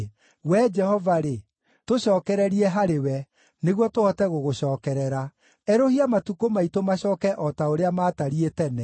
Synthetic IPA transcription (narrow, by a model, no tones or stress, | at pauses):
wɛd͡ʒɛhɔvaɾe | toɕɔːkɛɾɛɾiɛɦaɾewɛ | neɣwɔtohɔtɛɣoɣoɕɔːkɛɾɛɾa | ɛɾohiamatukomaitomaɕɔːkɛʔɔtaoɾeamaːtaɾietɛnɛ